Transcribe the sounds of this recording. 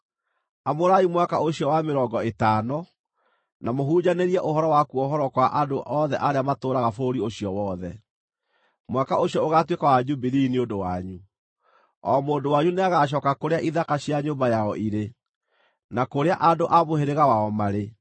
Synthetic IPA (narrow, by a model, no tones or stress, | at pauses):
amoɾaimwakaoɕiɔwameɾɔːɡɔetaːnɔ | namoɦud͡ʑaneɾiɛʔohɔɾɔwakuɔɦɔɾɔkwaʔadoʔɔðɛʔaɾeamatoːɾaɣafoɾioɕiɔwɔːðɛ | mwakaoɕiɔoɣatwekawad͡ʑubiɾiniondowaɲu | ɔ̰moːndowaɲuneaɣaɕ̬ɔkakoɾeaʔiðakaɕiaɲoːmbajaɔʔiɾe | nakoɾeaʔandoʔamoheɾeɣawaɔmaɾe